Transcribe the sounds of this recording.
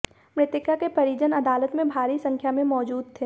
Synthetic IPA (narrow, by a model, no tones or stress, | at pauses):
pɾɪt̪ɪkakepɐɾiːd͡ʒənɐd̪aːlət̪mẽbʱaːɾisɐ̃ŋkʰjamẽmɔːd͡ʒuːd̪̚t̪ʰeː